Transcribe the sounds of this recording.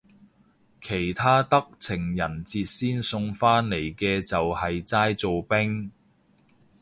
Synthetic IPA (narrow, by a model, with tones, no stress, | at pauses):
kʰe˨˩jt̪ʰaː˥t̪ɐ˥k̚t͡sʰɪ˨˩ŋjɐ˨˩nt͡siː˧t̚siː˥nsʊ˧ŋfaː˥nle˨˩jkɛː˧t͡sɐ˨whɐ˨jt͡saː˥jt͡so˨wpɪ˥ŋ